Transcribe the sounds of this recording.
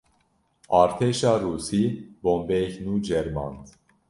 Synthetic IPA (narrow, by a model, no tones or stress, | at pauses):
ɑɾt̪ʰɛʃɑɾusibɔmbɛknud͡ʒɛɾmɑ̰nt